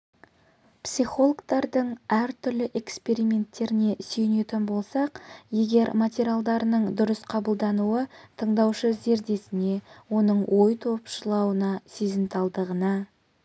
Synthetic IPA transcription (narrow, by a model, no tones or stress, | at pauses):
psiχo̞lˠokt̪ɑɾd̪əɴæɾt̪ʰʏɾlɪʔe̞kspe̞ɾimʲe̞nt̪ːe̞ɾɪne̞søjɪne̞t̪ɪnbo̞lˠsɑqje̞ɡʲe̞ɾmat̪ʲeɾʲjalˠd̪ɑɾənəɴd̪ʊɾəsqʰɑbəlˠd̪ɑnuət̪ʰəɴd̪ɑwʃəze̞ɾd̪e̞sɪne̞wo̞nəɴwʔo̞jt̪ʰo̞pʃəlˠɑwənɑsezɪnt̪ɑlˠd̪əʁənɑ